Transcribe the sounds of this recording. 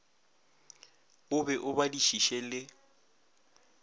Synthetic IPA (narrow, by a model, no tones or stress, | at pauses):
ʊbɛʔʊbadiʃiʃɛlɪ